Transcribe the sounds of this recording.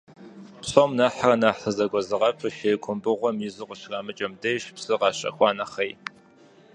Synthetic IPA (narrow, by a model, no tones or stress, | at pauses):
pɕʼomnaħarɐnaħəzɐɡʷɔzɨʁɐpʰɨʃejkʷʰʼʊmbɨʁʷɔmizɨqʷʊɕraːmɨt͡ʃʼɐmdɐjɕpsɨʁɑːɕʼɐ̰xʷɑːnɐχɐj